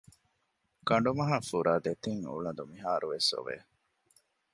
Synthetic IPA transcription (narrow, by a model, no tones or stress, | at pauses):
kɐɳ̆ɖumɐɦafuɾaːd̪et̪iŋṵɭɐnd̪umiɦaːɾuʋeso̰ʋḛː